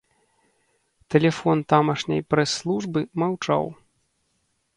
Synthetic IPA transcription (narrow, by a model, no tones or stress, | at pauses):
t̪ɛlʲɛfɔnt̪amɐʂnʲɐ̰jpɾɛsːlˠuʐbɨmawt͡ʂa̰w